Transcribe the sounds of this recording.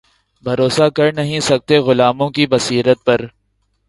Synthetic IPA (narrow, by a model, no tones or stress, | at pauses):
bʱɐɾoːsakɐɾnɐɦĩsɐk̚t̪eɣʊlaːmõkibɐsiːɾət̪̚pɐɾ